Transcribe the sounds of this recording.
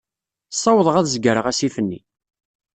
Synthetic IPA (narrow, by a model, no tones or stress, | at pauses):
sˤːɑwəðˤəʁæðzɡəɾəʁæsiθənːḭ